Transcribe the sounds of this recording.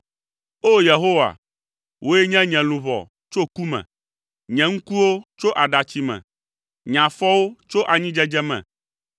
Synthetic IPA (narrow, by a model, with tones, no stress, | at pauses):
o˦je˨ɦo˦wa̰˨ | wʔo˦e˦ɲɛ̃˦ɲɛ̃˨lũ˨βɔ̰˨ | t͡ʃo˦ku˦mɛ̰̃˨ | ɲɛ̃˨ŋ̩˦ku˦wo˦t͡ʃo˦ʔa˨ɖa˨t͡ɕi˦mɛ̰̃˨ | ɲã˨fɔ˦wo˦t͡ʃo˦ʔa˨ɲĩ˦d͡ʒɛ˦d͡ʒɛ˦mɛ̰̃˨